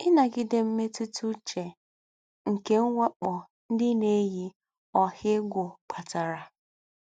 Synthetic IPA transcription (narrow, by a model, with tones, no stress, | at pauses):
ɪ˦na˨ɡɪ˦de˦m̩˦me˦tu˦tʰu˦t͡ʃe˨ | ŋ̩˨ke˦ŋ̩˦wʷa˦k͡pɔ˨ | n̩˦dɪ˦ne˦ji˦ | ɔ˨hɪ˦ɡʷʊ˨k͡pa˨ta˨ɾa˨